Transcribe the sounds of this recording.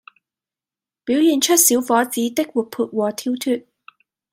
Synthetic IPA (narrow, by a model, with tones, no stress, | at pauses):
piː˨˥wjiː˨nt͡ʃʰɵ˥t̚siː˨˥wfɔː˨˥t͡siː˨˥t̪ɪ˥k̚wu˨t̚pʰuː˧t̚wɔː˨˧t̪ʰiː˥wt̪ʰyː˧t̚